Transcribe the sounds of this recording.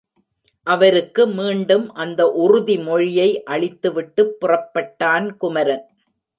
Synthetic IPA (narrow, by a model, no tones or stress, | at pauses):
ʔɐʋɐɾɯkːɯmiːɳɖɯmʔɐnd̪ɐʔʊrʊðimɔɻɪjɐɪʔɐɭɪt̪ːɯʋɪʈːɯpːʊrɐpːɐʈːaːnkʊmɐɾɐn